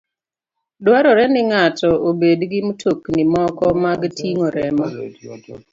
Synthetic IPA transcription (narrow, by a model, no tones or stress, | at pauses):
dwaɾɔɾɛnɪŋatɔobedɡɪmtʰoknimɔkɔmaɡtʰiŋoɾɛmɔ